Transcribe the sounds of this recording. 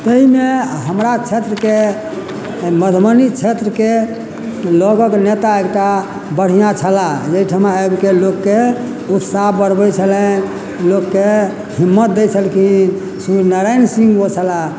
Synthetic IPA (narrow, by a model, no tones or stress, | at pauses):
t̪əɦimeɦəmɾat͡ʃʰet̪ɾəke | məd̪ʱbənit͡ʃʰet̪ɾəke | lɔɡəknet̪aekʈa | bəɽ̤ijat͡ʃʰəlajeiʈʰəmaebkelokːe | ut̪sabəɾbɛt͡ʃʰəlɛn | lokːe | ɦimːət̪̚d̪et͡ʃʰəlkʰin | sunəɾajnsĩŋɡot͡ʃʰəla